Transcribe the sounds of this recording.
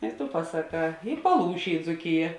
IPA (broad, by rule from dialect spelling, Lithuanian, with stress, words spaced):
ɪ tʊ pɐsɐˈkɑː ɪ pɐˈlˠuːʃʲeː ɪ d͡zuːˈkʲɪjɛ